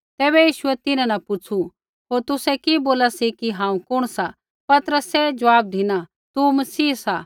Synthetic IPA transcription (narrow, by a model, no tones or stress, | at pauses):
t̪ɛːbɛjiːʃʊɛt̪ɪnãnɐpʊt͡sʰu | ɦoːɾt̪ʊsɛkiboːlasikiɦãːũkʊɽ̃sa | pɐt̪əɾəsɛd͡ʒɐʋaːb̚d̪ʱɪna | t̪umɐsiːsa